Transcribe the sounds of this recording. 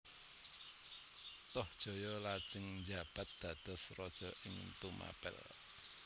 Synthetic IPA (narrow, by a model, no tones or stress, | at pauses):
t̪ɔhd̥ʒ̥o̤jɔlad̥ʒ̥əŋnd͡ʒab̥a̤t̪̚d̪̥a̤d̪̥a̤srɔd̥ʒ̥ɔ̤ʔɪŋt̪uma̰pɛ̰l